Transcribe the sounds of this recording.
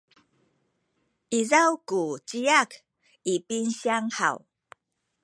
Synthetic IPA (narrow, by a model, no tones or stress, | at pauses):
ʔizawkut͡ɕijak | ipinɕiaŋħa̰w